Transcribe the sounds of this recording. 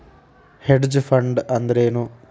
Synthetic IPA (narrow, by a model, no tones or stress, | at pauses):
heɖd͡ʑɨfɐɳɖɨɐnd̪ɾeːnu